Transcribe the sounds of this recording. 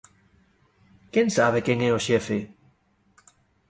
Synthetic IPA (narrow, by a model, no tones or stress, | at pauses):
keŋsaβ̞ekeŋɛoʃɛfe